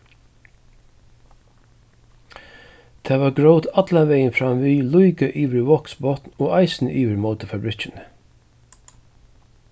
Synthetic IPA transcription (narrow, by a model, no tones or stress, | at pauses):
t̪ʰeːʋɑːɡɹoʊt̪ɑd̪̥lɑʋeɪənfɾɑmʋiːlʊʏɡəʔiːʋəɹwɔksbɔt̪n̩oːʔɑɪsn̩̰ʔiːʋəɾmoʊt̪əfɑbɾɪt͡ʃən